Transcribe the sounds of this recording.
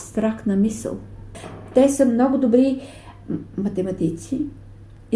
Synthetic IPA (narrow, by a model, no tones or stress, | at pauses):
st̪ɾakt̪nəmisə̰lˠt̪ɛsəmnɔɡʊd̪obɾi | mɐt̪ɛmɐt̪it̪si